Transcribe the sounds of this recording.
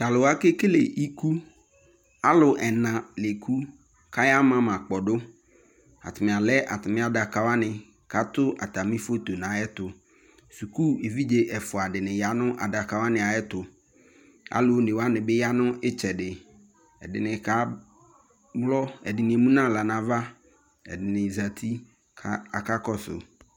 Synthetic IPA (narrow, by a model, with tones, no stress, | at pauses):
ka˨lʊ˨wa˦ke˦ke˦lḛ˨i˦kʰu˦ | a˦lʊ˨ʔɛ˨nã˨le˨kʰu˦ | kʰa˦ja˦mã˦mã˨k͡pɔ˨dʊ˦ | a̰˨tʰɪ˨mɪ̃˨a˨lɛ˦ʔa̰˨tɪ˨mɪ̃˦a˨da˨ka˨˦wa˦nɪ̃˨ | ka˦tʊ˦ʔa˨ta˨mɪ̃˦fo˦to˨nã˨˦jɛ˦tʊ˨ | su˨ku˦e˨vi˦d͡ʒe˦ʔɛ˨fʊ˨a˨dɪ˨nɪ̃˨ja˨˦nʊ̃˦ʔa˨da˨ka˨wa˦nɪ̃˨a˨jɛ˦t̪ʊ˨ | a̰˦lo˨˦nɪ˨wa˦nɪ̃˨bɪ˦ja˦nʊ̃˦ʔɪ˦t͡ʃɛ˨dɪ˨ | ɛ̰˨dɪ˨nɪ̃˨ka˦ | ɡ͡blɔ˦ɛ̰˨dɪ˨nɪ̃˨e˨mũ˦nã˦˨la˨nã˨va˦ | ɛ̰˨dɪ˨nɪ̃˨za˨t̪ʰi˦ | a˨ka˦kɔ˦sʊ̰˨